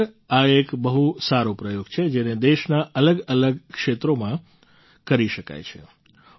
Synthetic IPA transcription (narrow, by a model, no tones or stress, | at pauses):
aekbəɦusaɾopɾəjoɡt͡ʃʰed͡ʒened̪eʃnaʔələɡələɡkʃet̪ɾomã | kəɾiʃəka̰jt͡ʃʰḛ